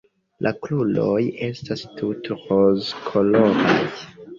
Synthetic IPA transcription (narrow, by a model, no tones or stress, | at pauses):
lʔaklulo̞je̞stastʰutɾozkʰoloɾaj